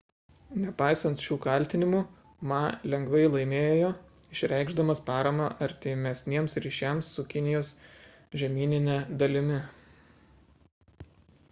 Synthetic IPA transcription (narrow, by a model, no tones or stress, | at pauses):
nʲɛpɑɪsɐnt̪ʃʲuːkɐˑlʲt̪ʲɪnʲɪmuː | mɑlʲɛŋɡʋɐɪlˠɐɪmʲeːjojoː | ɪʃʲɾʲɛˑɪɡʒd̪ɐmɐspɑːɾɐmɑʔɐɾʲt̪ʲɪmʲɛsʲnʲiɛmsɾʲiːʃʲæˑmsːʊkʲɪnʲɪjoːs | ʒʲɛmʲiːnʲɪnʲɛd̪ɐlʲɪmʲɪ